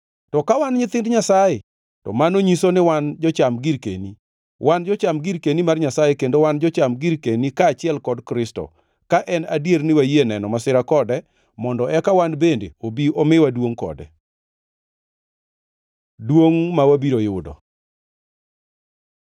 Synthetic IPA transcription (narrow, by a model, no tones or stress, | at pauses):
tɔkawanɲɪt̪ɪndɲasaje | tɔ̰manoɲisonɪwand͡ʒɔt͡ʃamɡiɾkḛni | wʔand͡ʒɔt͡ʃamɡiɾkenimarɲasajekendowand͡ʒɔt͡ʃamɡiɾkenikaːt͡ʃɪɛlkɔdkɾɪstɔ̰ | kaʔɛnadjeɾnɪwajenɛnɔmasɪɾakɔdɛ | mɔndɔʔɛkawanbendḛobiomɪwadwoŋkɔ̰dɛ̰ | dwoŋmawabiɾojʊdɔ̰